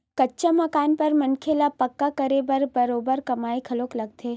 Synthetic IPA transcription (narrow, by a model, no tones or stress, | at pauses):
kɐtːʃamɐkaːnpɐɾmənkʰelapɐkːakəɾebəɾbɐɾoːbəɾkɐmaːikʰɐloːklɐɡ̚t̪ʰeː